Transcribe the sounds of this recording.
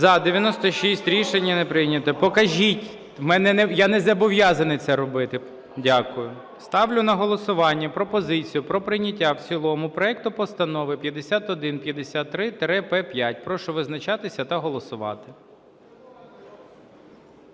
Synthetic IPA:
zɐd̪eʋʲjɐnɔst̪ɔʃʲisʲtʲɾʲiʃenʲːɐnepɾɪnʲɐt̪ɔpɔkɐʒʲitʲ | mɛnɛnɛjanɛzɐbɔʋjazɐnɪt̪sɛɾɔbɪt̪ɪ | dʲakʊjʊ | st̪ɑwlʲʊnɐɦɔlˠɔsʊʋɑnʲːɐpɾɔpɔzɪt͡sʲijʊpɾɔpɾɪjnʲɐtʲːawt͡sʲilˠɔmʊpɾɔɛk̚t̪ʊpɔst̪ɐnɔʋɪpʲjɐd̪esʲat̪ɔd̪ɪnpʲjɐd̪esʲat̪ːɾɪt̪ɾɛpɛpʲjatʲpɾɔʃʊʋɪznɐt͡ʃɑt̪ɪsʲɐt̪ɐɦɔlˠɔsʊʋɑ̰t̪ɪ̥

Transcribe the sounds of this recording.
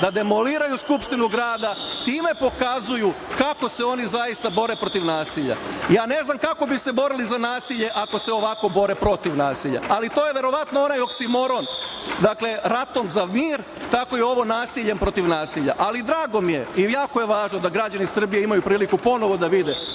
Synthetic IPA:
d̪ad̪e̞mo̞liːɾajuskupʃt̪inuɡɾaːd̪at̪iːme̞po̞kazuju | kako̞se̞o̞nizajist̪abo̞ɾepɾo̞t̪iʋnaːsiʎa̰jaːne̞znamkako̞bise̞bo̞ɾilizanaːsiʎe̞ʔako̞se̞o̞ʋako̞bo̞ɾe̞pɾo̞t̪iʋnaːsiʎa̰alit̪o̞je̞ʋe̞ɾo̞ʋat̪noo̞najoksimo̞ɾo̞n | d̪akle̞ɾat̪o̞mzamiːɾ | t̪ako̞jeo̞ʋo̞naːsiʎempɾo̞t̪iʋnaːsiʎa̰ʔalid̪ɾaːɡo̞mije̞ijaːko̞je̞ʋaːʒnod̪aɡɾad͡ʑanisr̩bijeimajupɾiːlikupo̞no̞ʋo̞d̪aʋid̪e

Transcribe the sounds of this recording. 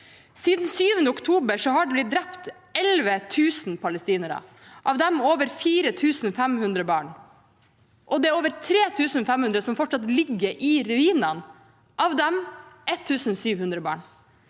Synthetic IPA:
siːd̪n̩syːʋənd̪əʊkt̪ʰuːbəʂɔɦɑɖɛblɪt̪̚d̪ɾɛpt̪ | ɛlʋət̪ʰʉːsnpʰɑləst̪iːnəɾə̰ | ʔɑʋd̪ɛmoːʋəɾfiːɾət̪ʰʉːsn̩fɛmhʉnd̪ɾəbɑːɳ | ʔɔd̪ɛæɾoːʋəɾt̪ʰɾeːt̪ʰʉːsn̩fɛmhʉnd̪ɾəsɔmfɔʈʂɑt̪lɪɡːəɾʔɪɾʉiːnɑn | ʔɑʋd̪ɛmʔɛt̪ʰːʉːsn̩syːʋhʉnd̪ɾəbɑ̰ːɳ

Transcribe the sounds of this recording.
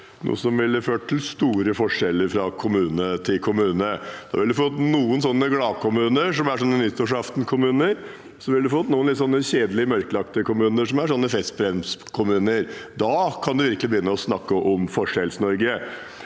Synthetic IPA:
nṵːsɔmʋɪlːəføːʈ̚ʈʰːɪlst̪uːɾəfɔʂɛlːəɾfɾɑkʰʊmʉːnət̪ʰɪlkʰʊmʉːnəd̪̥ɑ̰ːʋɪld̪ʉfoɔt̪nuːənsɔnːəɡlɑːkʰʊmʉːnəʂɔmæʂɔnːənʏt̪ʰːʊʂɑft̪nkʰʊmʉːnəɾ | sɔʋɪlːd̪ʉfɔt̪ːnuːənlɪt̪sɔnːəɕeːd̪əlɪəmœɾkəlɑkt̪əkʰʊmʉːnəʂɔmæʂɔnːəfɛst̪̚bɾɛmskʰʊmʉːnəɾd̪ɑkʰɑnd̪ʉʋɪɾkəlɪbəjʏnːəɔsnɑkːəʔɔmfɔʂɛlsnɔɾɡə

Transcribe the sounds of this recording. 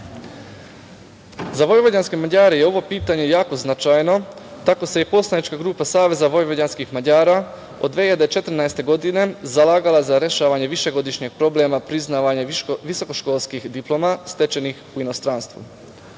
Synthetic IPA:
zaʋo̞jʋodanske̞maʎaːɾejeo̞ʋo̞piːt̪aɲe̞jaːko̞znat͡ʃajno̞t̪ako̞sejepo̞slanit͡ʃkaɡɾuːpasaːʋe̞zaʋo̞jʋoanskixmaʎaːɾa | o̞d̪ːʋeːiʎad̪et͡ʃe̞t̪ɾnaest̪e̞ɡo̞d̪ine̞zalaːɡalazaɾeʃaːʋaɲe̞ʋiʃe̞ɡo̞d̪iʃɲeɡ̥̚pɾo̞blemapɾiznaːʋaɲaʋiso̞ko̞ʃko̞ːlˠskixd̪iplˠo̞mast̪e̞t͡ʃe̞nixuinost̪ɾanst̪ʋṵ

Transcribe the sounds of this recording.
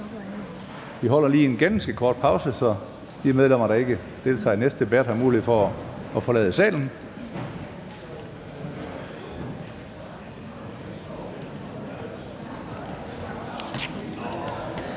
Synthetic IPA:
ʋiɦɒ̽l̰ɐliːe̝nɡ̥ænsɡ̥əkʰɒːd̥̚pʰɑ̈ʊsəsɒ̽ | d̥imeð̞ˠlem̰ɐɾ̥ɑ̈e̝ɡ̥ə | d̥e̝ːlt͡sʰɑ̰ːnesd̥d̥e̝b̥æd̥hɑmuːliið̩ˠfɒːfɒ̽lɛ̰ːð̞ˠəsɛ̰ːln̩

